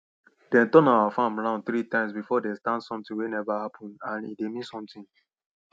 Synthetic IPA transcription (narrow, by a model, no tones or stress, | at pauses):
dɛ̃ntɔ̃naafãmɹãʊ̃nd̚θɾitãɪ̃msbifɔdestãndsɔ̃mtĩŋwenɛvahapʰɔ̃nãnḭdemĩnsɔ̃mtĩn